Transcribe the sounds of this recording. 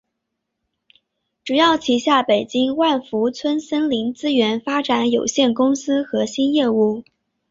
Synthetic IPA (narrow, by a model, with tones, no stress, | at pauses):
ʈ͡ʂu˨˩jɑ˥˩ʊt͡ɕʰi˧˥ɕja˥˩pe˨˩ɪt͡ɕi˥ŋwa˥˩nfu˧˥t͡sʰwə˥nsə˥nli˧˥ŋt͡sɹ̩˥ɥɛ˧˥nfa˥ʈ͡ʂa˧˥njo˨˩ʊɕjɛ˥˩nkʊ˥ŋsɹ̩˥xɤ˧˥ɕi˥njɛ˥˧u˥˩